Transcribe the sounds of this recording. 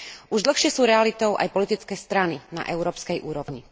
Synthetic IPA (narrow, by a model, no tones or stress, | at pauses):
ʔuʒd̪l̩xʃɪɛsuːɾɛalit̪ɔʊʔa̰jpɔlit̪it͡skɛːst̪ɾanina̰ʔɛʊɾɔːpskɛjʔuːɾɔʋɲi